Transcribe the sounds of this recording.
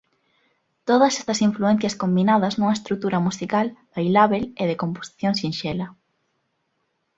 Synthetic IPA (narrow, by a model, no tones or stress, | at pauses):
t̪oð̞ɐse̥st̪ɐsiɱfluɛn̟θjɐskombinaðɐznũŋɐest̪ɾuk̚t̪uɾɐmusikalbajlaβeleðɪkompo̥si̥θjoŋsinʃɛlɐ